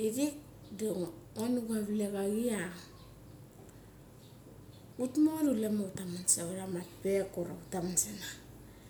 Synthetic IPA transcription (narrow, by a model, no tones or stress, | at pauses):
iɾik̚ | doŋonuɡaβileβaɡia | utmoɾulemautamansaaɾamatpekoɾautamansena